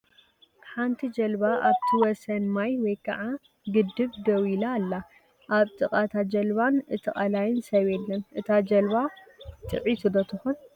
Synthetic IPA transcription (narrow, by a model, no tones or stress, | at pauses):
ħant̪ʰid͡ʒɐlbaʔaβt̪ʰiwɔsɐnmajwɔjkʰɐ̰ʕa | ɡɨd̪ːɨβd̪ɐwilaːlːa | ʔaβt̪ʼɨkʼat̪ʰad͡ʒɐlβanɨt̪ʰɨχʼɐlajɪnsɐβelːɐnʔɨt̪ʰad͡ʒɐlbat̪ʼɨ̰ʕit̪ʰud̪ɐt̪ʰɨxun